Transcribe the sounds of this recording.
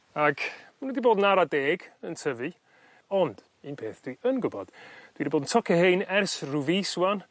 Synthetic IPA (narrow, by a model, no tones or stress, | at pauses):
aɡmanũdiboːdnaɾadeːɡ̥əntʰəvɨ | ɔnd̥ | inpʰeːθd̥wiənɡʊbɔd̥d̥wiɾiboːdn̩tʰɔkʰɛhejnɛrsruviswan